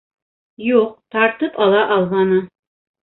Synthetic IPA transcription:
juq̚t̪ɑɾt̪ɤpɒlˠɑʔɒlˠʁɑnɤ

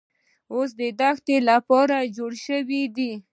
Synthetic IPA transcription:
os̬d̪əd̪axt̪elapɑɾad͡ʒoɽʃəwid̪i

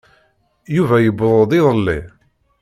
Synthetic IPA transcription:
juvæjəbɾˤoðˤiðˤəlːi

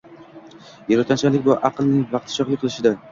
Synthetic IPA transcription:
jeɾɒt̪ʰant͡ʃʰalɪkʲbaɾʔaqɨlˠnɪŋvɑq̚t̪ʰɪ̥ʃɒχlɪqʰɨlˠɪʃɪd̪a

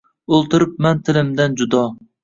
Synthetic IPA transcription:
olˠt̪ʰɨɾɨp̚mɛnt̪ʰɪlɪmd̪ɛnd͡ʒud̪ɑ

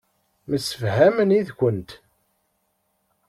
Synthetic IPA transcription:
məsːəfhæməniðkʷənt̪

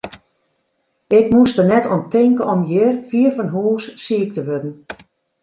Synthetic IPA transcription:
ɪkmustənɛtɔntɪŋkəɔmjɪrfiərfɔnɦuːsːiək̚təʋødən̩

